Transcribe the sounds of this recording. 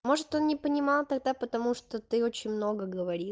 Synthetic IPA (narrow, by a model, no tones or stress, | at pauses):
mo̞ʐɨt̪o̞nnʲɪpənʲɪmɑlˠt̪ɐɡ̚d̪apət̪ɐmuʂt̪ot̪ɨo̞t͡ɕɪnʲmno̞ɡəɡəvɐɾʲi